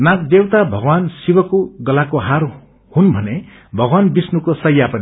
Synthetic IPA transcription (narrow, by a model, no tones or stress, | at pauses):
nak̚d̪ewt̪abʱʌɡwansibʌkoɡʌlakoɦar | hunbʱʌne | bʱʌɡwanbisnukosʌjːapʌni